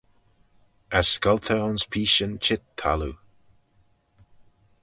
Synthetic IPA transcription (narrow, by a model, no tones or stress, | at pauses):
askalt̪ʰəɔnspʰiːʃənt͡ʃɪt̪ʰːa̰lṵ